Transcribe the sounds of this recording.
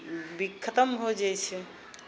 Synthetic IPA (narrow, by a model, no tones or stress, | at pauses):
bikʰːət̪əmɦod͡ʒajt͡ʃʰɛ